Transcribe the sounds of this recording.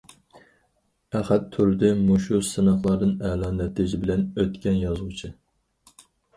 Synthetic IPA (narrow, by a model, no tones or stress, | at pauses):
æχæt̪ʰːyɾd̪ɪmuʃusɨnɑχlˠɑɾd̪ɨnɛlɑːnɛt̪ʰɪʒɪbɪlɛnøt̪kʲɛnjɑzʁut͡ʃʰɨ